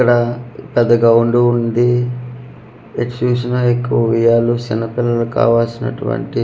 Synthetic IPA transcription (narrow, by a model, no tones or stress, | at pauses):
kːɐɽɐpɛd̪ːɐɡaːuɳɖuund̪i | eʈt͡ʃuːs̬inɐekːuʋɐʋijaːlut͡ʃɛnɐpilːɐluka̰ːʋaːsinɐ̰ʈuʋɐ̰ɳʈi